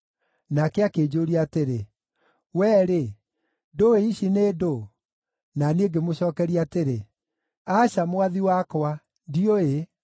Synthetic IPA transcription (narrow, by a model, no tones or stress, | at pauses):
nakɛakeːd͡ʑoːɾiaːteɾe | wɛːɾe | doeiɕineːdo | nanieɡemoɕɔːkɛɾiateɾe | aʃamowaðiwakɔwa | dioe